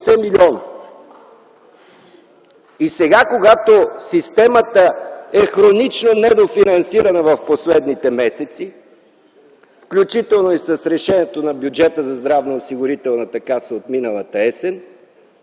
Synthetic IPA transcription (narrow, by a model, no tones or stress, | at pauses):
sɛmilʲiɔn | isɛɡakoɡat̪osist̪ɛmət̪əɛxɾonit͡ʃnonɛd̪ofinɐnsiɾɐnəvɐfposlɛd̪nit̪ɛmɛsɛt̪si | fklʲut͡ʃit̪ɛlˠnoisəsɾɛʃɛniɛt̪onɐbʲjud͡ʒɛt̪əzɐzd̪ɾavnɐosiɡʊɾit̪ɛlˠnət̪ɐkasɛot̪minəlˠɐt̪əɛsɛn